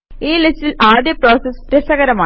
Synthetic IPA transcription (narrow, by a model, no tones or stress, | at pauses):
iːlɪsɪlaːðjɐpɾoːsesʈɾɛsɐɣɐɾɐmaː